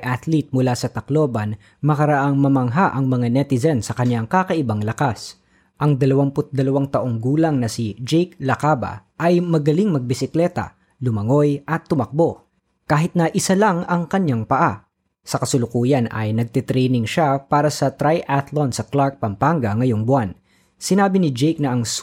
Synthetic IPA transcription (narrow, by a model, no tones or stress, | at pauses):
ʔat̪lit̪̚mʊlasɐt̪ɐklo̞ːbɐn | mɐkɐɾɐʔaŋmɐmɐŋɦaʔɐŋmɐŋanɛt̪ɪzɛnsɐkɐɲaŋkakɐʔɪbaŋlɐkas | ʔɐŋd̪ɐlɐwampʊt̪̚d̪ɐlɐwaŋt̪ɐʔo̞ŋɡuːlɐŋnɐsid͡ʒɛjk̚lɐkaːba̰ʔɐjmɐɡɐliŋmɐɡ̚bɪsɪklɛt̪ɐ̰ | lʊmɐŋo̞jʔɐt̪ːʊmɐk̚bo̞ | kaːɦɪt̪̚nɐʔɪsalaŋɐŋkɐɲjaŋpɐʔa | sɐkɐsʊlʊkuːjɐnɐ̰jnɐɡ̚t̪it̪ɾɛjnɪŋʃapaːɾɐsɐt̪ɾajʔat̪lonsɐklaɹk̚pɐmpaŋɡɐŋɐjoŋbʊwan | sɪnaːbɪnɪd͡ʒɛjk̚nɐʔɐŋs